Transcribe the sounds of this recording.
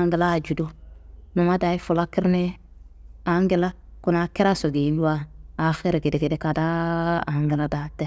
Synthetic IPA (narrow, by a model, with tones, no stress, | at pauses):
a˦ŋɡi˨laː˦˨d͡ʒu˨du˦nu˨ma˦da˨i˦fu˨la˦kɪ˦ɾne˦ | a˨˦ŋɡɪ˨la˦ku˨na˨ki˦ɾa˦so˨ɡi˨˦ndu˦a˦a˨fe˦ɾe˨ɡe˨de˨ɡe˨de˦ka˨da˦a˨˦ŋɡɪ˨la˦da˨tɛ˦